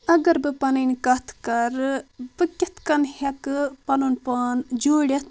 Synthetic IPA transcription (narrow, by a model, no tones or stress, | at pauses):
ɐɡɐɾbɨpɐnɐnkɐt̪ʰkɐɾbɨkʲit̪ʰkɐnhɐkɨpɐnunpaːnd͡ʒoːɽʲɐt̪ʰ